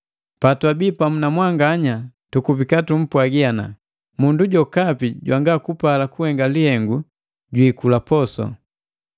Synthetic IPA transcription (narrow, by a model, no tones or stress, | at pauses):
patwabipamunamwaŋɡaɲatukubikatum̩pwaɡiana̰ | munduɟɔkapiɟwaŋɡakupalakuhɛŋɡalihɛŋɡu | ɟwiːkulapɔsɔ̰